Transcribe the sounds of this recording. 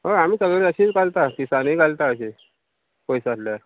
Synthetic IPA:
ɦoamiːt͡səɡəəɕiːt͡sɡalt̪ak̪isanikalt̪aəɕi | pojsaslaɾ

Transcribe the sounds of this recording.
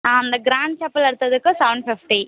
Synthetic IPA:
aːɐnd̪ɐɡɾaːɳɖ̚t͡ʃɐpːɐlɐɽɯt̪ːɐðɯkːɯsɐʋɳɖ̚pʰifʈi

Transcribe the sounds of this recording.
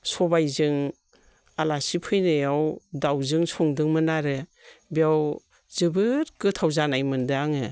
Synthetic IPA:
sɔbajzɯŋ | alasipʰɯjnɯjawdawzɯŋsɔŋdɯŋmɯnaɾɯ | biaw | zɯbɯɾkɯtʰawzanajmɯndɯaŋɯ

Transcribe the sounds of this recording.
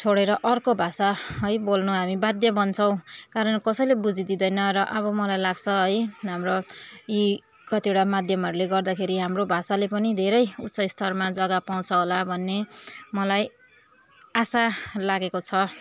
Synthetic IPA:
t͡sʰoɽeɾʌʔʌrkobʱasaɦʌjbolnuɦamibad̪jʌbʌnt͡sʰʌ̃w̃kaɾʌnkʌsʌjlebud͡zid̪id̪ʌjnʌrʌʔʌβʌmʌlajlaɡt͡sʰʌɦʌjɦamroi | kʌt̪ijeoʈamad̪ʱjʌmɦʌɾuleɡʌrd̪akʰeɾiɦamrobʱasalepʌnid̪ʱeɾʌjut̪ːsʌjst̪ʰʌrmad͡zʌɡapaw̃t͡sʰʌɦolabʱʌnːemʌlaj | asalaɡekot͡sʰʌ

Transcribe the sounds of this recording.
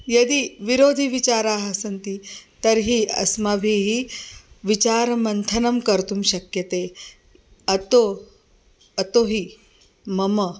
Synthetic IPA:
jɐd̪iʋiɾoːd̪ʱiʋit͡ʃaːɾaːɦɐsɐnt̪it̪ɐɾɦiɐ̰smabʱiɦi | ʋit͡ʃaːɾmɐnt̪ʰɐnɐmkɐɾt̪umɕɐkjɐt̪eː | ɐt̪o | ɐt̪oɦi | mɐmɐ

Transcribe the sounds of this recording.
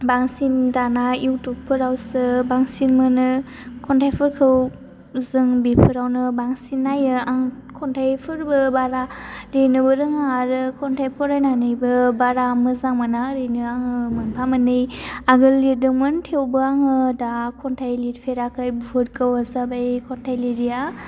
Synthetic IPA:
baŋsindanaiwtuk̚pʰɯɾawsɯbaŋsinmɯnɯ | kʰɔntʰajpʰɯɾkʰɯw | zɯŋbipʰɯɾawnɯbaŋsinːajɯaŋkʰɔntʰajpʰɯɾbɯbaɾaɾenɯbɯɾɯŋaɾɯkʰɔntʰajpʰɔɾajnanɯjbɯbaɾamɯzaŋmanaɾenɯaŋɯmɯnpʰamɯnɯjaɡɯlːidɯŋmɯntʰewbɯaŋɯdakʰɔntʰajlitpʰeɾakʰajbuɦot̚kawazabajkʰɔntʰajliɾia

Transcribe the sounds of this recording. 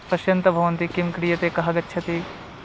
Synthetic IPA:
pɐʃjɐ̃nt̪ɐbʱɐʋɐnt̪ikɪmkɽijɐt̪ekɐɦɐɡɐtːʃʰɐt̪i

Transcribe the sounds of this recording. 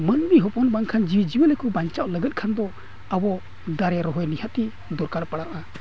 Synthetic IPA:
mənmiɦɔpɔnbaŋkʰand͡ʒiwd͡ʒiwəlɛkubaɲt͡ʃaʔləɡət̪̚kʰand̪ɔ | abɔ | d̪aɾɛɾɔɦɔjnihat̪i | d̪ɔɾkaɽpaɽaʔa

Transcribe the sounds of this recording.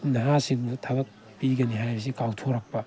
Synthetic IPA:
nɐɦasiŋutʰɐβɐk̚ | piɡɐniɦajbɐs̬ikawtʰoɾɐk̚pɐ

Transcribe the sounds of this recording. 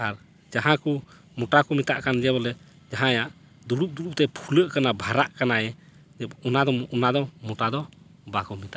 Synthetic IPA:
aɾ | d͡ʒaɦãku | mɔʈakɔmit̪a̰ʔkand͡ʒɛβɔlɛ | d͡ʒaɦãjaʔ | d̪uɾup̚d̪uɾup̚t̪ɛpʰuləʔkanabʱaɾaʔkanajɛ | d͡ʒɛunad̪ɔɔnad̪ɔmɔʈad̪ɔ | bakɔmit̪aʔ

